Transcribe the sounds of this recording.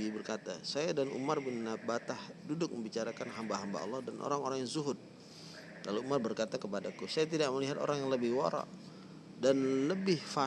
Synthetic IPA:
ibərkat̪a̰sajadanṵmarbɪnabat̪ahdudʊk̚məmbit͡ʃaɾakanɦambaɦamba̰ɑ̰lːɑhdanʔo̰ɾaŋoɾaŋjaŋzuɦʊt̪̚ | laluumarbərkat̪akəpadakusajat̪̬idak̚məliɦat̪o̰ɾaŋjaŋləbɪhwaɾa̰ʔ | danləbɪhfa

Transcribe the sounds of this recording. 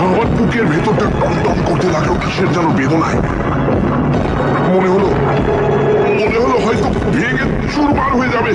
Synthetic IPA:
amanpukeɾbʱet̪oɾt̪epɔnt̪ɔnkoɾt̪elaɡek̪aʃeɾd͡ʑalobed̪ona̰e | moneɦolo | moneɦoloɦɔjt̪o | bʱeɡ | ʃuɾmaɾɦoed͡ʑabe

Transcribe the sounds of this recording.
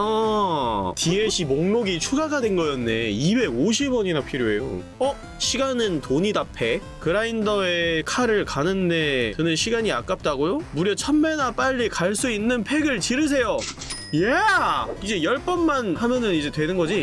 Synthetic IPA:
ʌ | tieɕʰimoŋnoɡit͡ɕʰuɡaɡadwe̞nɡʌjʌnːe̞̰ibe̞ɡoɕ̬ʰibwʌɲinapʰiɾjoe̞jo̰ | ʌ | ɕʰiɡanɯntoɲidapʰe̞ | kɯɾaindʌekʰaɾɯɭkanɯnːe̞kɯnɯnɕʰiɡaɲia̰k͈ap̚t͈aɡojomuɾjʌt͡ɕʰʌmmenap͈aʎːikaɭs͈uinːɯnpʰe̞ɡɯɭt͡ɕiɾɯs̬ʰe̞jo | ja | id͡ʑe̞jʌɭp͈ʌnmanhamjʌnɯnid͡ʑe̞twe̞nɯnɡʌd͡ʑi

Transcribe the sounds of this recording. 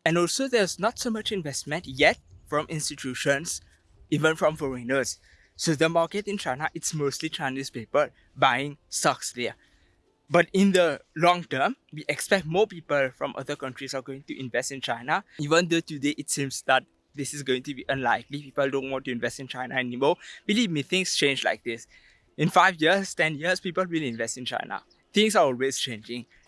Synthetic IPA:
ɛ̃nɔlsod̪ɛsnɔtsomat͡ʃĩnvɛstmə̃ntjɛt̚fɹɔ̃mʔɪ̃nstitʰjuʃə̃ns | ivə̃nfɹɔ̃mfɔɹĩnəsː | odəmaketĩnt͡ʃaɪnaʔɪtsmostlit͡ʃaɪnispepə | bajɪ̃ŋsaksdɛə | batɪ̃ndəlɔ̃ŋtəmwiʔɛkspɛk̚t̚mɔpipəlfɹɔ̃mʔa̰ðəkʌ̃ntɹisaɡoɪ̃ŋtuʔɪ̃nvɛstɪ̃nt͡ʃaɪnaivə̃nd̪ətudeʔɪtsĩmsd̪æt̚ | d̪ɪsɪsɡoɪ̃ŋtubiʔə̃nlaɪklipipəldõntwɔ̃ntuĩnvɛstĩnt͡ʃaɪnaɛnimobilivmit̪ɪ̃ŋst͡ʃẽnd͡ʒla̰ɪk̚d̪ɪs | ɪ̃nfaɪvjiəstɛ̃njiəspipəlwilɪ̃nvɛstɪ̃nt͡ʃa̰ɪna̰ | t̪ɪ̃ŋs̬aɔlwest͡ʃẽnd͡ʒɪ̃ŋ

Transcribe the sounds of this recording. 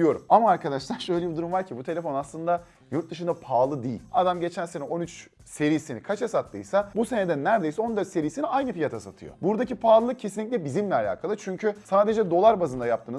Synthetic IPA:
d̪ijo̞ɾumamaːɾkʰad̪aʃlˠaɾʃø̞jlʲebid̪uɾumvaɾcʰibut̪ʰee̞fonaslˠɯnd̪a | juɾt̪̚d̪ɯʃ̬ɯnd̪apʰaːlˠɯd̪iːḭlʲad̪amɟe̞t͡ʃʰænse̞nɛo̞nyt͡ʃ | se̞ɾisinikʰat͡ʃasat̪lːɯ̰jsabuse̞ned̪ɛnːæɾd̪e̞jsɛo̞nd̪øɾse̞ɾijːsiniajnɯfijat̪ʰasat̪ʰɯ̰jo̰buɾd̪acipʰaːlˠɯlˠɯcʰe̞s̬inlʲːic̬̚ʲlʲɛbizimlʲɛalʲa̰ːkʰalˠɯt͡ʃʰyɲcʰysaːd̪ed͡ʒɛd̪o̞lˠaɾbazɯnd̪ajap̚t̪ʰɯːn

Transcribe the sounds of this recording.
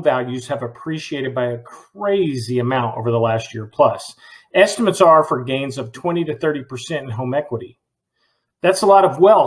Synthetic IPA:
vælˠjʉz̥ɨvɨpʰɹ̥iʃieɪɾɨd̚baɪɨkʰɹ̥eɪziɨmãʊ̃nto̰ʊvə˞ðəlæst̚jɪɹpʰl̥ʌs | ɛstəmɨtsə˞fə˞ɡẽɪ̃nzʌv̥tʰw̥ɛ̃ɾ̃iɾɨθɜ˞ɾipʰə˞sɛ̃ɾ̃ɨ̃n̩ɦõʊmɛkwəɾi | ðætsəlɔɾʌvwɛlˠ

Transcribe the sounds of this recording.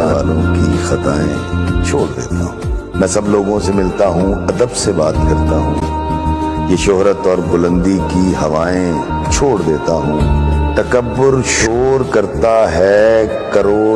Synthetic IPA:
a̰ːlõkixɐt̪aːḛ̃t͡ʃʰoːɽd̪ḛːt̪aɦũmɛ̃ːsɐbloːɡõsemɪlt̪aɦũɐd̪əbsebaːt̪kɐɾt̪aɦṵ̃ː | jeːʃʊɦɾət̪ɔːɾbʊlə̃nd̪ikiɦɐʋaːẽ | t͡ʃʰoːɽd̪eːt̪aɦũːt̪ɐkəbːʊɾʃoːɾkɐɾt̪aɦɛː | kɐɾoː

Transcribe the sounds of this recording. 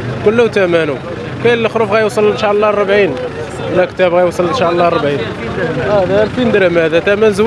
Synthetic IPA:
kʊlːəht̪æmænu | kæjllːəxɾufɣæjusˤəlːnʃaʕəlˤːɑrˤɑbʕin | wlækt̪æbɣæjwsˤəlnʃaʕlˤːɑrˤəbʕin | æd̪ælfind̪ɾæmd̪æt̪æmænzw

